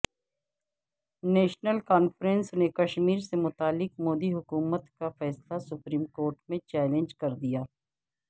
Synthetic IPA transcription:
nɛːʃnəlkaːnfɾɛ̃nsnekɐʃmiːɾsemʊt̪aːlːɪkmoːd̪iɦʊkuːmət̪kafɛːslasʊpɾiːmkoːɾʈmẽt͡ʃɛːlẽnd͡ʒkɐɾd̪ijaː

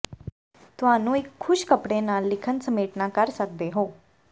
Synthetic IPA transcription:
t̪ʊɦaːnũːɪkʰːʊʃkəpɽeːnaːlːɪkʰənsəmeːʈnaːkəɾsək̚d̪eːɦoː

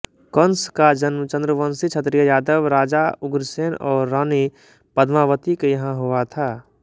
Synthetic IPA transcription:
kənskad͡ʒənmət͡ʃə̃nd̪ɾəʋənsit͡ʃʰət̪ɾijəjaːd̪əʋɾaːd͡ʒaʊɡɾseːnɔːɾːaːni | pəd̪ʱmaʋət̪ikejɐɦãɦuat̪ʰaː

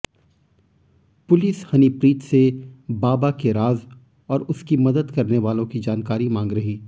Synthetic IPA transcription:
pʊlɪshɐnipɾiːʈsebaːbakeɾaːz | ɔːɾʊskimɐd̪əd̪kɐɾneʋaːlõkid͡ʒaːnkaːɾimãːŋɡɾɐɦiː

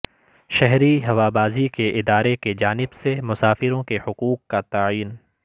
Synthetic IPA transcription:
ʃɛɦɾiɦɐʋaːbaːzikeʔɪd̪aːɾeked͡ʒaːnɪbsemʊsaːfɪɾõkehʊquːq̚kat̪aːiːn

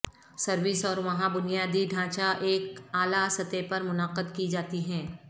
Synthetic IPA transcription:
sɐɾʋɪsɔːɾʋɐɦãbʊnijaːd̪iɖʱãːt͡ʃaʔeːkaːlasɐt̪epɐɾmʊnaːqəd̪kid͡ʒaːt̪iɦɛ̃ː

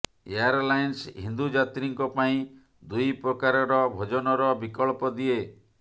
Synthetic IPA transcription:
eaɾlajnsɦind̪ud͡ʒat̪ɾiŋkɔpaĩ | d̪ujpɾɔkaɾɔɾɔbʱod͡ʒɔnɔɾɔbikɔɭpɔd̪ie

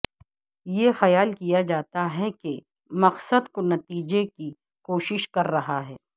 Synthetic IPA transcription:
jexɐjaːlkijad͡ʒaːt̪aɦɛke | mɐqsəd̪konɐt̪iːd͡ʒeki | koːʃɪʃkɐɾːɐɦaɦɛː

